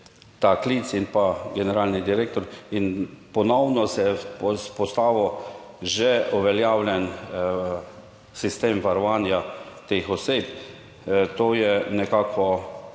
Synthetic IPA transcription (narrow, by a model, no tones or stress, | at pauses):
t̪aklit̪sinpaɡɛnɛɾaːlnid̪iɾek̚t̪ɔɾinpɔnɔwnɔsɛpspɔst̪aːʋɔʒɛɔʋɛljaːwlʲjɛn | sist̪eːmʋaɾɔʋaːnjat̪exɔsep | t̪oːjɛnɛkaːkʋɔ